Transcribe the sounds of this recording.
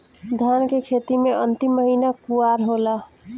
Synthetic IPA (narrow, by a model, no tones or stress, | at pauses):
d̪ʱjankekʰet̪imeʔənt̪imːəɦinakuaɾɦola